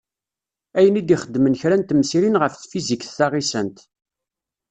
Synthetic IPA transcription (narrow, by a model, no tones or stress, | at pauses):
æjənid̪iχəd̪ːmənçɾænt̪msiɾinʁəfθfizikθːaʁisənt̪